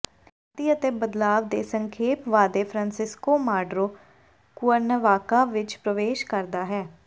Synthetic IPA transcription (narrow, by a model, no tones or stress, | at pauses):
aːt̪iːət̪eːbəd̪laːʋd̪eːsəŋkʰeːpʋaːd̪eːpʰɾãːnsɪskoːmaːɖɾoː | kʊəɾnəʋaːkaːʋɪt͡ʃpɾəʋeːʃkəɾd̪aːɦɛː